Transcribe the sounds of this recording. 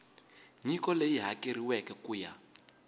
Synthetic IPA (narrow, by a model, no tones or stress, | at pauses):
ɲikɔlejiɦakeɾiwɛkɛkuːja̰